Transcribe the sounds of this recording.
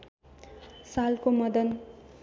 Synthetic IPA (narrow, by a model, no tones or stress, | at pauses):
salkomʌd̪ʌn